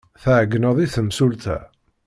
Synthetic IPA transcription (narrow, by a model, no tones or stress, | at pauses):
θaʕɡːnəðˤiθəmsult̪æ̰